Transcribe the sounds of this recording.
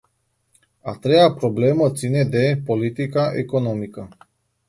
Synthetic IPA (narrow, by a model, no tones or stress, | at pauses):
a̰t̪ɾeapɾoblemət̪sined̪epolit̪ikaʔḛkonomikə